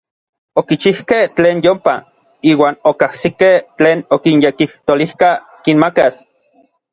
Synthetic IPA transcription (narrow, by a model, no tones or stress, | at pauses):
okit͡ʃihkeht͡ɬeːnjompa | iːwaːnokahsikeht͡ɬeːnokinjekiht̪olihka | kinmakas